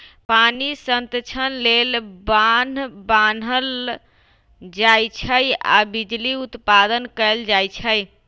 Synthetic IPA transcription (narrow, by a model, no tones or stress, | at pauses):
panisənt̪t͡ʃʰənlelbanbanɦəl | d͡ʒajt͡ʃʰəja̰bid͡ʒliut̪pad̪ənkəld͡ʒajt͡ʃʰəj